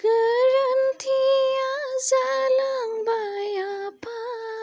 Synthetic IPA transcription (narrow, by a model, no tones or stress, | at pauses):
ɡ̥ɐɾɐnt̪ʰijazalaŋbajapʰa